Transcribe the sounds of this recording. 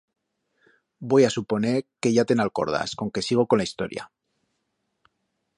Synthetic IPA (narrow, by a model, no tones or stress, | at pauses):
bo̞jasupo̞ne̞ɾke̞ʝat̪enalko̞̰ɾð̞a̰sko̞ŋke̞siɣ̞o̞ko̞nlaist̪o̞̰ɾja̰